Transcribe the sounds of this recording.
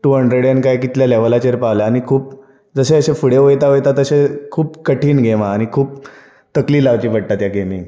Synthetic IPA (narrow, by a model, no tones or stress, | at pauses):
ʈuɦəɳɖɾeɽjankajkit̪ljaleʋəlat͡ɕeɾpaʋljaːñikʰuːp̚ | d͡zəɕeəɕefuɽeʋojt̪aojt̪at̪əɕekʰuːpkəʈʰiːnɡʱemaːñikʰuːp̚ | t̪əkliːlaʋt͡ɕiːpəɽ̚t̪at̪jaɡemi